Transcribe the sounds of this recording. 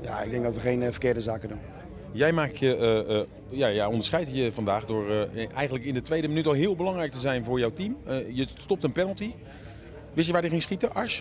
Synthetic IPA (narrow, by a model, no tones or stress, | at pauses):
jaɪɡ̚dɛ̃ŋɡ̚dɔtʋəχejnfəkɪːdəzaːkədun | jɛjmaːkjə | jajaɔndəɹsχɛjtjəvɑndaːχdʊːɹʔɛ̰jɣəndləkɪndətʋejdəmənytɔlˠɦɪəlˠbəlɑŋrɛjk̚təzɛjnvʊːɹjawtimjəstɔp̚tənpɛnəlˠti | ʋɪstjəʋaːdjəχɪŋsχitəʔɑɹs